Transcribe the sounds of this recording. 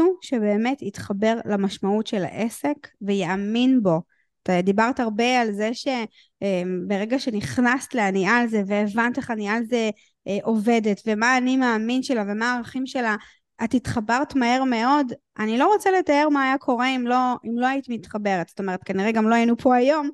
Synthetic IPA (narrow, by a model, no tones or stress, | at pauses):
uʃebe̞ːme̞tit̪χabe̞ʁlamaʃmautʃe̞la̰ʔe̞se̞kvejaaminbo̞ | atad̪ibaʁtaʁbe̞alzeʃe̞ | mbeʁe̞ɡaʃeniχnastleanialze̞veːvant̪eχanialze | ʔʔo̞ve̞detvemaːnimeaminʃelave̞maːʁaχimʃe̞la | atitχabaʁtmahe̞ʁme̞o̞dʔanilo̞ʁo̞t͡sele̞tae̞ʁmaːjakʰo̞ʁeimlo̞imlo̞ajitimitχabe̞ʁetz̥ot̪o̞me̞ʁet̪̚kaniʁeɡamlo̞ajinupʰo̞ajo̞m